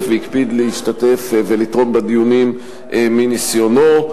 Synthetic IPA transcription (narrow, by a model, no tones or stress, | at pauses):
veikbid̪lehiʃtat̪e̞fvelit̪ʁo̞nbad̪ijunim | ʔeminisjo̞no